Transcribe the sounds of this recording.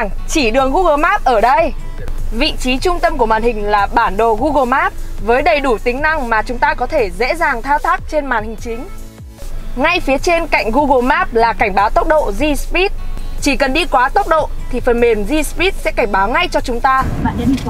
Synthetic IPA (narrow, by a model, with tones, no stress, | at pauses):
ŋ | t͡ɕi˧˩ɗɨ˨˩əŋɣu˧ɣəː˧˩maː˦˥p̚ʔəː˧˩ɗə˧j | vḭ˧˨t͡ɕi˨˦t͡ɕʊ˧ŋ͡mt̪ə˧mku˧˩əɓaː˨˩nhï˨˩ŋ̟laː˨˩ɓaː˧˩nɗo̰˨˩ɣu˧ɣə˧˩maː˦˥p̚vəː˨˦jɗə˨˩jɗu˧˩t̪ï˨˦ŋ̟na˧ŋmaː˨˩t͡ɕʊ˨˦ŋ͡mt̪aː˧kɔ˨˦t̪ʰe˧˩zḛ˧˥zaː˨˩ŋt̪ʰaː˧wt̪ʰaː˦˥k̚t͡ɕe˧nmaː˨˩nhï˨˩ŋ̟t͡ɕï˨˦ŋ̟ | ŋa˧jfi˨˦ət͡ɕe˧nka̰˧˨jŋ̟ɣu˧ɣə˨˧˩maː˦˥p̚laː˨˩ka˧˩jŋ̟ɓaː˨˦wt̪ə˦˥wk͡p̚ɗo̰˧˨zi˧spi˦˥t̚t͡ɕi˧˩kə˨˩nɗi˧kwaː˨˦t̪ə˦˥wk͡p̚ɗo̰˧˨t̪ʰi˨˩fə˨˩nme˨˩mzi˧spi˦˥t̚sɛ̰˧˥ka˧˩ŋ̟ɓaː˨˦wŋa˧jt͡ɕɔ˧t͡ɕʊ˨˦ŋ͡mt̪aː˧